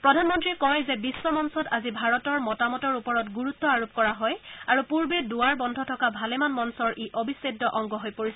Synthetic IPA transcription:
pɹɔdʱanmɔntɹikɔjzɛbisːɔmɔnsɔtazibʱaɹɔtɔɹmɔtamɔtɔɹupɔɹɔtɡuɹut̪ːɔaɹup̚kɔɹaɦɔjaɹupuɹbeduaɹbɔndʱɔtʰɔkabʱalɛmanmɔnsɔɹʔeʔobʱisɹedːɔʔɔŋɡɔɦojpoɹis

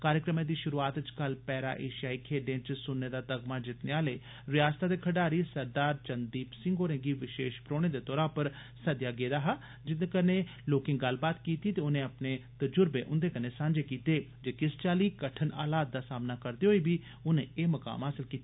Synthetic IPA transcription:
kaːɾjəkɾəmẽːd̪iːʃʊɾuːaːt̪t͡ʃkəlpɛːɾa̰ːʔḛːʃjaːikʰeːɖẽãːt͡ʃsʊnːeːd̪aːt̪əɡmaːd͡ʒɪt̪neaːleː | ʋɪjaːst̪aːd̪eːkʰəɖaːɾiːsəɾd̪aːɾt͡ʃənd̪iːpsɪ̃ŋɡoːɾẽːɡiːʋɪʃeːʃpɾoːɽ̃eːd̪eːt̪ɔːɾãːpəɾ | səd̪jaːɡeːd̪aːɦaː | d͡ʒɪt̪̚neːkəneː | loːkɪ̃ŋɡəlbaːt̪kiːt̪iːt̪eʊnẽːəpneːt̪əd͡ʒʊɾbeːʔʊnd̪eːkəneːsãːnd͡ʒeːkiːt̪eːd͡ʒeːkɪst͡ʃaːliːkəʈʰənʔa̰ːlaːd̪̚d̪aːsaːmnaːkəɾd̪eɦoːiːbʱiː | ʊnḛ̃ːeːməka̰ːmɦaːsɪlkiːt̪a

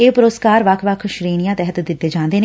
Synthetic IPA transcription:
eːpʊɾəskaːɾʋəkʰʋəkʰʃɾiːnijãːt̪ɛɦət̪d̪ɪt̪ːeːd͡ʒãːnd̪eːnː

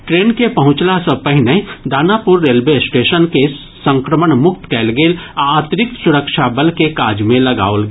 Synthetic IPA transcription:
ʈɾeːnkepɐɦʊ̃t͡ʃlasəpəɦɪnẽd̪aːnapʊɾːeːlʋesʈeːʃənke | sə̃ŋkɾəməɳmʊkt̪kɛːlɡeːlat̪ɾɪk̚t̪sʊɾəkʃabəlkekaːd͡ʒmẽlɐɡa̰ːolɡ

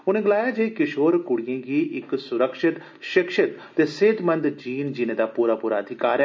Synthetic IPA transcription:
ʊnẽːɡɪlaːjaːd͡ʒeikɪʃoːɾkʊɽijẽːɡiːɪksʊɾəkʃɪt̪ | ʃɪkʃɪt̪t̪eːseːt̪mənd̪d͡ʒiːnd͡ʒɪnẽːd̪aːpuːɾaːpuːɾaəd̪ʱɪkaːɾɛ

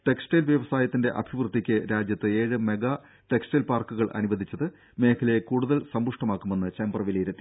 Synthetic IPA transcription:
ʈe̞ksʈeːlʋjɐʋɐsaːjɐt̪ːinde̞ʔɐ̰bʱiʋrt̪ːikʲːɨɾaːd͡ʑjɐt̪ːɨe̞ːɻɨme̞ɡɐ | ʈe̞ksʈelpaːrkuɣɐɭʔɐ̰nubɐd̪ʱit͡ɕːɐðɨ | me̞ːkʰɐlekuːɽuðɐlsɐmbuʂʈɐmaːkːume̞nːɨt͡ɕembɐrʋilɐjiɾet̪ːi

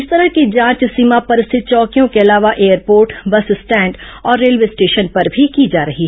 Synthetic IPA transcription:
ɪst̪ɐɾəɦkid͡ʒãːt͡ʃsiːmapɐɾɪst̪ʰɪt̪̚t͡ʃɔːkijõkeɐlaːʋaʔeːəɾpoːɾʈbɐssʈɛ̃ːɳɖ | ɔːɾːeːlʋeːsʈeːʃənpɐɾbʱikid͡ʒaːɾɐɦiɦɛ

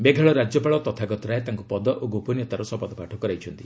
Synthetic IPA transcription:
beɡʱaɭɔɾad͡ʒɔpaɭɔt̪ɔt̪ʰaɡɔt̪ɔɾaet̪aŋkupɔd̪ɔʔoɡopɔnjɔt̪aɾɔsɔpɔd̪ɔpaʈʰɔkɔɾajt͡ʃʰɔnt̪i

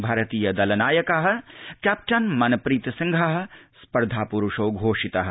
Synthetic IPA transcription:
bʱɐɾɐt̪iːjɐd̪ɐlɐnaːjɐkɐɦɐ̆kaːp̚ʈɐnmɐnɐpɾiːt̪ɐsɐŋɡʱɐɦɐ̆spɐɾd̪ʱaːpuɾuʂoːɡʱoːʂit̪ɐɦɐ̆

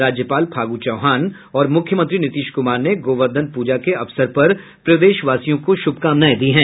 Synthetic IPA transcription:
ɾaːd͡ʒjəpaːlpʰaːɡut͡ʃɐːɦaːn | ɔːɾmʊkʰjəmə̃nt̪ɾinɪt̪iːʃkʊmaːɾneɡoːʋəɾd̪ʱənpuːd͡ʒakeɐfsəɾpɐɾ | pɾɐʋeːʃʋaːsijõkoʃʊb̚ʱkaːmnaːjd̪iɦɛ̃ː

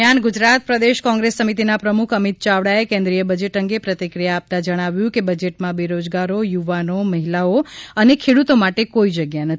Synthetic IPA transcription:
anɡud͡ʒɾat̪̚pɾəd̪eʃkɔ̃ŋɡɾesːəmit̪inapɾəmukʰəmit̪̚t͡ʃaʋɽaekẽnd̪ɾijəbəd͡ʒeʈəŋɡepɾət̪ikɾijaːp̚t̪ad͡ʒəɽ̃aʋjũkebəd͡ʒeʈmãbiɾod͡ʒɡaɾojuʋanoməɦilaoənekʰeɽut̪omaʈekoid͡ʒəɡjanət̪

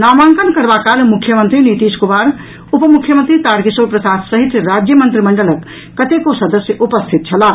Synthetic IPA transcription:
namaŋkənkəɾbakalmukʰːjəmənt̪ɾinit̪iskumaɾ | upəmukʰjəmənt̪ɾit̪aɾkisoɾpɾəsat̪səɦit̪əɾad͡ʒjəmənt̪ɾiməɳɖələkː | ət̪ekosəd̪əsjəʔupəst̪ʰit̪̚t͡ʃʰɐla

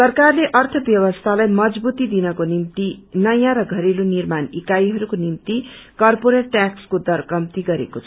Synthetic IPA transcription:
sʌrkarleʔʌrt̪ʰʌbjʌβʌst̪ʰalajmʌd͡zbut̪id̪inʌkonimt̪inʌjãɾʌɡʱʌɾelonirmanikajɦʌɾukonimt̪ikʌrpoɾeʈʈːakskod̪ʌrkʌmt̪iɡʌɾḛkot͡sʰ

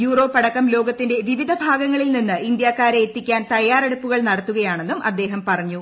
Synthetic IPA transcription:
juːro̞ːpːɐɽɐkːɐmlo̞ːɡɐt̪ːinde̞ʋiʋid̪ʱɐbʱaːɡɐŋːɐɭilninːɨʔind̪jaːkːaːɾeːt̪ːikʲːaːnt̪ɐjːaːreɽupːuɣɐɭnɐɽɐt̪ːuɣɐjaːɳe̞nːumʔɐd̪ːe̞ːɦɐmpɐrɐɲːu

